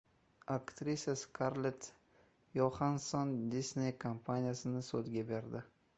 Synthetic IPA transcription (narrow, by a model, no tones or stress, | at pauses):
akt̪ɾisʲaskʰaɾlet̪ | jɒχansɔnd̪isnejkʰampʰanʲijasɪnɪsod̪ɡʲabe̞ɾd̪ɪ